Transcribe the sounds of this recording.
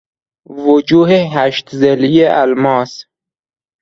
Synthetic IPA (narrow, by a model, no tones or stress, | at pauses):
vod͡ʒuːɦeɦæʃt̪zelijeʔælmɒːs